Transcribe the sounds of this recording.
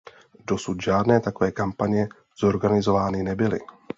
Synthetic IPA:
do̞sut̪ʒaːdnɛːt̪akovɛːkampaɲɛ | z̥o̞ɾɡanɪzo̞vaːnɪnɛbɪlɪ̰

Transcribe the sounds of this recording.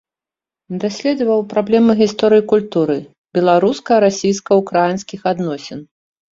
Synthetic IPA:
d̪asʲlʲɛd̪vɐwpɾablʲɛmɨɣʲist̪ɔɾɨjikulʲt̪uɾɨ | bʲɛlˠaɾuskɐɾasʲijskɐukɾajinskʲixad̪nɔsʲɛn

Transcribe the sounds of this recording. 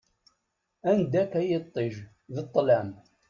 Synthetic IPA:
ænd̪ækæjət̪ˤːeʒ | ðət̪ˤːlæm

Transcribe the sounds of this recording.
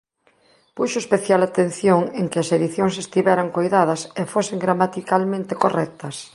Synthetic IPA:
puʃoespeθjalat̪en̟θjoŋeŋkɪɐseðiθjoŋsest̪iβɛɾaŋkojðaðɐsefoseŋɡɾamat̪ikalmẽnt̪ekorɛk̚t̪ɐs

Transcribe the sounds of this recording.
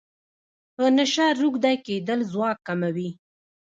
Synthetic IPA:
pənaʃaɾuɡd̪ajked̪əlzwɑkːamawi

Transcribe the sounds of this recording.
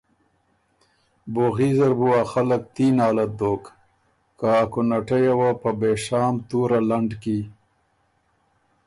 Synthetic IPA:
boɣizaɾbuaxalək̚t̪inɑːlat̪̚d̪oːk | kaːkʊnaʈajawapəbeʂɑːmt̪uɾalaɳɖki

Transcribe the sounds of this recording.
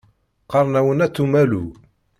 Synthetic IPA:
qɑɾˤnæwənæt̪ːumælu

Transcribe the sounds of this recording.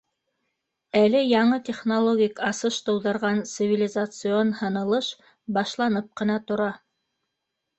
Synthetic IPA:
ælɘjɑɴɤt̪ʲeχnolˠoɡʲikɑsɤʃt̪ɤ̆wðɤ̆ɾʁɑnt̪sɨvʲɪlʲɪzat̪sɨonhɤ̆nɤ̆lˠɤʃ | bɑʃlˠɑnɤp̚qɤ̆nɑt̪ŏɾɑ

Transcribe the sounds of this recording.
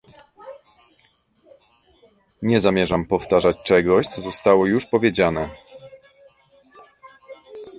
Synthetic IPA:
ɲɛzamʲjɛʐampɔft̪aʐat͡ɕt͡ʂɛɡɔɕt̪sɔzɔst̪awɔjuʂpɔvʲjed͡ʑanɛ

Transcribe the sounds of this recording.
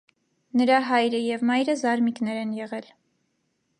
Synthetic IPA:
nəɾɑɦɑjɾəjɛvmɑjɾəzɑɾmiknɛɾɛnjɛʁɛl

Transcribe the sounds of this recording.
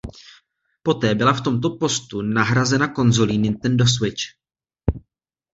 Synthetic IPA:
po̞t̪ɛːbɪlaft̪o̞mt̪o̞po̞st̪unaɦɾazɛnako̞nzo̞linɪnt̪ɛndos̬wɪt͡ʃ

